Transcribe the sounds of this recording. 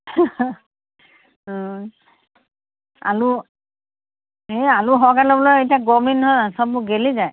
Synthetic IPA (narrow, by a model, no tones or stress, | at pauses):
a̰lu | ealuɦɔkalɔbɔlɔjetiaɡɔminɦɔjasɔbʊɡelizaj